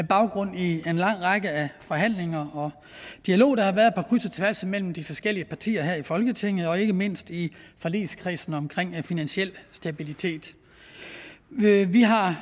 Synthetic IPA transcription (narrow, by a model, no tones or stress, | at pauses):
æb̥ɑ̈ʊɡ̥ʁɔ̽n̰ienlɑ̈ŋ̰ʁɑ̈ɡ̥əæfɒ̽ɦæn̰le̝ŋɐɒ̽ | d̥iælo̝̰ːd̥ɑ̈hɑ̈ʋæɐðˠepʰɒ̽kʰʁysɐt͡sʰeʋæɐsəmel̰m̩d̥ifɒ̽sɡ̥el̰iəpʰɑ̈t͡sʰḭːɐɦæɐ̰ifɒ̽lɡ̥ət͡sʰe̝ŋ̰ð̩ˠɒ̽e̝ɡ̥əme̝n̰sd̥ifælḭːskʰʁiːsn̩ɒ̽mkʰʁeŋ̰finænɕiel̰sd̥æb̥ilit͡sʰe̝̰ːd̥ | ʋiɦɑ̈